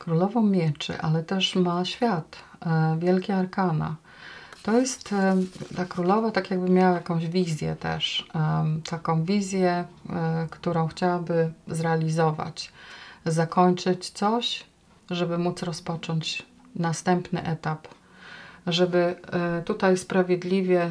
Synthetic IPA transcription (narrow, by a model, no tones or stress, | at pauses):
kɾulɔvɔmʲjɛt͡ʂɘ̰ʔalɛt̪ɛʂmaɕfʲjat̪ | vʲjɛlkʲɛaɾkana̰ | t̪ɔjɛst̪t̪akɾulɔvat̪akʲjaɡ̚bɘmʲjawajakɔ̃w̃ʑvʲizʲjɛ̰t̪ɛ̰ʂ | t̪ʰakɔ̃w̃vʲizʲjɛ | kt̪uɾɔ̃w̃xt͡ɕawabɘzɾɛalʲizɔva̰t͡ɕ | zakɔɲt͡ʂɘt͡ɕt̪sɔɕ | ʐɛbɘmut̪sɾɔspɔt͡ʂɔɲt͡ɕ | nast̪ɛmpnɘ̰ʔɛt̪ap | ʐɛbɘt̪ut̪ajspɾavʲjɛd̪lʲivʲjɛ